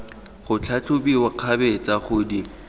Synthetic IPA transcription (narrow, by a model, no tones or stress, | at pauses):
χʊt͡ɬʰat͡ɬʰʊbiwaq͡χʰabet͡saχʊdi